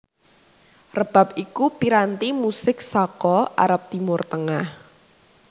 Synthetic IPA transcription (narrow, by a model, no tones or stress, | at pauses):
rəb̥a̤p̚ikupiɾant̪imusɪk̚sɔkɔʔa̰ɾap̚t̪imʊrt̪əŋah